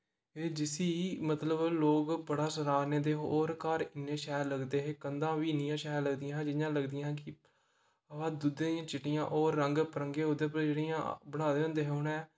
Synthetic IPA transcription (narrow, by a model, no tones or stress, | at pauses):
eːd͡ʒɪsiːmət̪ləbloːkbəɽaːsəɾaːɾneːd̪eːɦoːɾkaːɾɪnːeːʃɛːɾləɡd̪eːɦeːkənd̪ãːʋiːnɪjãːʃɛːɾləɡd̪ɪjãːd͡ʒɪjãːləɡd̪ɪjãːkɪ | əãːd̪ud̪eːjãːt͡ʃɪʈːɪjã̰ːʔoːɾːəŋɡpəɾəŋɡeːɦõnd̪eːpd͡ʒeɽijãːbəɽ̃aːd̪eːɦʊ̃nd̪eːɦeɦʊnɛ̃ː